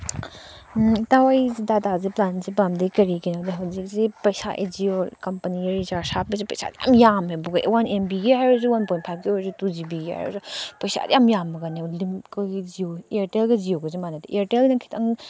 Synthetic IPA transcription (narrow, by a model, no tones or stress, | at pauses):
tawajzidataziplanzibamdɐkɐɾikinawdiɦawzik̚zipɐjsa̰ʔḛd͡ʒiokɐmpaniɾizaɾsap̚izipɐjsa̰d̪ija̰mjamhebuɡaʔḛwanembiɡiajɾuzuwanpɔjnt̚pʰajp̚ɡiɔɔzutuzibiɡia̰jɾṵzupɐjsa̰dḭjamjamːɐɡanilimkoɡizioieɾtelɡizioɡɔzimanadiʔieɾtelnakʰi̥tʰɐŋ